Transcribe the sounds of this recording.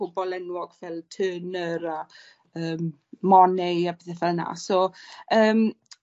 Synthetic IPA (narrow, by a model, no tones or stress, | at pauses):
ʊbɔlˠɛnwɔɡ̥vɛlˠtʰənəɾa | əːmː | ɔnɛabɪθɛθɛlˠna̰ːsɔəːm